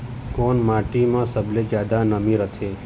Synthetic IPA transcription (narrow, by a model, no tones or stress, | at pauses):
koːnmaʈimãsəbled͡ʒjad̪anəmĩɾət̪ʰe